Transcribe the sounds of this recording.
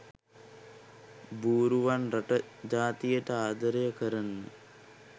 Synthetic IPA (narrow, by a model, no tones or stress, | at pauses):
buːɾuʋanɾɐʈə | d͡ʒaːt̪ijəʈəaːd̪əɾejəkəɾənːə